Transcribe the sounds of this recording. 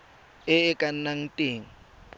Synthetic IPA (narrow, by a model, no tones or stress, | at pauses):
ɪɪkʼan̩naŋ̩tʼeːŋ̩